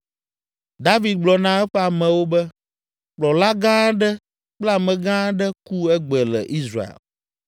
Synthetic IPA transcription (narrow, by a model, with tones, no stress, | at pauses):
d̪a˦vi˨d̪̚ɡ͡blɔ˨nã˦ɛ˦ɸɛ˦a˨mɛ̃˨wo˦bɛ˦ | k͡plɔ˨la˦ɡã˦ɖɛ˦ | k͡pla˨mɛ̃˨ɡã˦ɖɛ˦ku˦ɛ˦ɡ͡bɛ˨lɛ˨ʔi˦sɾa̰˨ḛ˨l